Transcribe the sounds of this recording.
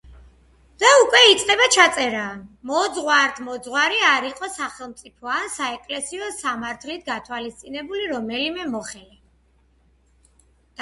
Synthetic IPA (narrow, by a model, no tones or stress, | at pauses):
d̪̥aukʼwɛit̪sʼd̪ɛbat͡ʃʰat̪sʼɛɾaːmɔd̪zʁwaɾt̪ʰmɔd̪zʁwaɾiaɾiqʼɔsaχɛlˠmt̪sʼipʰɔansaɛkʼlɛsiɔsamaɾt̪ʰlit̪̚ʰɡat̪ʰwalist̪sʼinɛbuliɾɔmɛlimɛmɔχɛlɛ